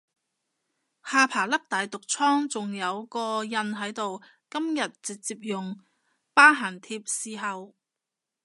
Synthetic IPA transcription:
haː˧pʰaː˨˩lɐ˥k̚t̪aː˨jt̪ʊ˨k̚t͡sʰɔː˥ŋt͡sʊ˨ŋjɐ˨˧wkɔː˧jɐ˧nɦɐ˨˥jt̪o˨w | kɐ˥mjɐ˨t̚t͡sɪ˨k̚t͡siː˧p̚jʊ˨ŋ | paː˥ɦaː˨˩ŋt̪ʰiː˧p̚siː˨˧ɦɐ˨w

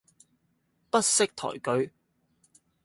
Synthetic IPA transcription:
pɐ˥t̚sɪ˥k̚t̪ʰɔ̰ː˨˩jkɵ˨˧ɥ

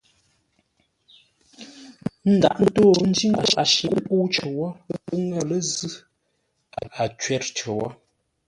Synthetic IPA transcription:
n̩˦da̰˨ʔn̩˦to˦˨˦n̩˦di˦ŋa˨ʃa̰˨ʃi˨˦pu˦t͡ʃə˨wɔ˦pu˦ŋɛ˨lə˦zʉ˦ | a˨a˨t͡ʃɥɛ˦˨ɾt͡ʃə˨wɔ˦

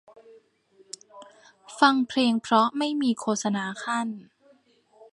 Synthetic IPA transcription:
fa˧ŋpʰleː˧ŋpʰɾɔ˦˥ma˥˩jmiː˧kʰoː˧˩t̪̚sa˧naː˧˩kʰa˥˩n

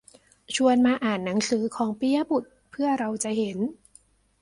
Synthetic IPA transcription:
t͡ɕʰu˧ənmaː˧ʔaː˨˩nːa˩˦ŋsɯː˩˦kʰɔː˩˦ŋpi˧a˧bu˨˩t̪̚pʰɯ˥˩ɐɾa˧wt͡ɕa˨˩he˩˦n

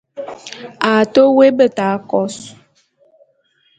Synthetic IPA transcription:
a˨to˦we˦bə˦˨ta˨˦kɔ˦s

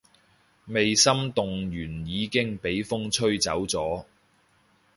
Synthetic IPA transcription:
me˨jsɐ˥mt̪ʊ˨ŋjyː˨˩njiː˨˧kɪ˥ŋpe˨˥jfʊ˥ŋt͡sʰɵ˥ɥt͡sɐ˨˥wt͡sɔː˨˥

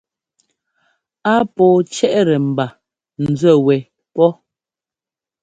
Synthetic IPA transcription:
a˦pɔː˨t͡ʃɛ˦ʔɾɛ˨m̩˨ba˨ | n̩˨d͡zwə˦˨wɛ˨ | pɔ˦

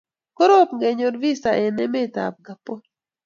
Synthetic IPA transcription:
ko˦ɾo˦pŋɡe˨ɲo˨dvi˦sa˨ʔɛ˨nɛ˦me˦ta̰˨p̚ɡa˨po˦

